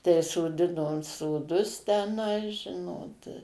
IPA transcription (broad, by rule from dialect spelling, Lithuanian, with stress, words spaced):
tɐɪ soːˈdʲɪnoːm soːˈdʊs tʲɛˈnɐɪ ˈʒʲɪnoːt